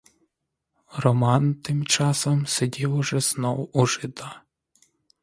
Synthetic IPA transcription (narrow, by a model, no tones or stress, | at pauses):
rɔmɑnt̪ɪmt͡ʃɑsɔmsedʲiwʊʒɛz̥nɔwuʒɪd̪ɑ